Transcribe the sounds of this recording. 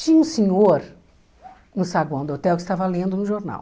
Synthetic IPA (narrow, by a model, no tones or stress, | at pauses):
t͡ʃĩɲɐũsẽɲoɾ | nʊ̃saɡwɐ̃d̪ot̪ɛwkɪst̪avalẽnd̪ʊnʊʒoɾna̰w